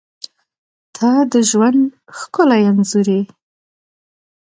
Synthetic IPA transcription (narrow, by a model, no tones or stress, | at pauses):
t̪ʰɑd̪əʒwand̪xkʊlajanzuɾe